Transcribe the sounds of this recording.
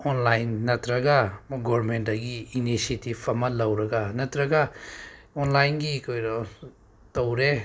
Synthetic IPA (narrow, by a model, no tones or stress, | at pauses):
onlajnːɐtɾɐɡɐɡɔɾmentɐɡiːnisetibɐmɐlɐwɾɐɡɐnɐtɾɐɡɐ | onlajnɡikʰojɾo | towɾe